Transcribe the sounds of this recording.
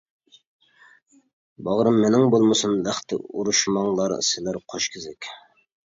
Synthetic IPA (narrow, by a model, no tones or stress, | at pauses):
bɑʁɾəmːenɪŋbolˠməsunlæχt̪ɪ̰uɾuʃmɑŋlˠɑɾ̰sɪlæɾqʰoʃkʲʰɪzɪkʲ